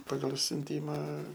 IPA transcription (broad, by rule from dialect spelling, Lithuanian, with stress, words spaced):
ˈpɑːɡɐlˠ sʲʊnʲˈtʲiːmɐ